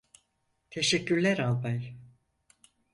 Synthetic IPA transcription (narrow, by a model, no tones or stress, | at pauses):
t̪ʰe̞ʃɛcːyɾlʲæɾalˠbaj